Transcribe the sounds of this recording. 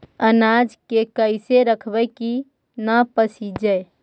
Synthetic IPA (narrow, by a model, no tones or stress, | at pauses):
ənaːd͡ʒkekəɪseɾəkʰbəki | nəpəsid͡ʒəe